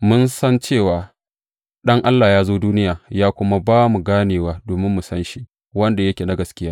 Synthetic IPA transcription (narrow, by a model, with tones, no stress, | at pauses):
mʊ˦nsɐ˦nt͡ʃeː˦˨waː˨ | ɗɐ˦ŋʔa˦lːaː˨jaː˦zoː˦duː˦nɪ˦jaː˨jaː˦kʷʊ˦ma˦baː˦mu˨ɡaː˦neː˨waː˦doː˨mɪ˦mːu˨sɐ˦nʃi˦ʔ | wɐ˦nda˨jɐ˦kʲeː˨na˦ɡɐ˨skʲɪ˦jaː˦